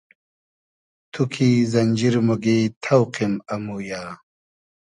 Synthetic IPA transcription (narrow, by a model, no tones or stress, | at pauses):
t̪ʰukʰiːzɐɲʲd͡ʑiɾmoɡeːt̪ʰɐwqimɐmuːjaː